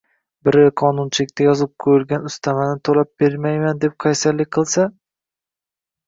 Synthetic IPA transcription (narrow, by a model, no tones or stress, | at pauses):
bɪɾɪqʰɒnʊnt͡ʃʰɪlɪkʲt̪ʰajɒzɪp̚kʰɵjɪlɡʲanʊst̪ʰamanɪt̪ʰolap̚b̥eɾmajmand̪e̞p̚qʰɑjsalːɪqʰɨlˠsa